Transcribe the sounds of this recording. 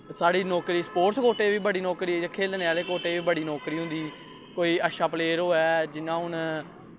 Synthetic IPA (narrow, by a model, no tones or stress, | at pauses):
saːɽiːnɔːkɾiːspoːɾskoːʈeːʋiːbəɽiːnɔːkɾiːekʰeːlneːaːleːkoːʈeːʋiːbəɽiːnɔːkɾiːɦʊ̃nd̪iː | koːiːəʃaːpleːɾɦoːɛːd͡ʒɪnãːɦʊn